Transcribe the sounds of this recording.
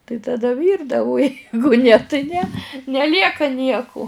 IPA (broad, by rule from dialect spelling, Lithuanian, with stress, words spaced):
tɐɪ tɐˈdɐ ˈʋʲiːrdɐʋʊ ʊ ˈjɛɪɡʊ nʲɛ tʲɪ nʲɛ nʲɛˈlʲiɛkɐ ˈnʲiɛkʊ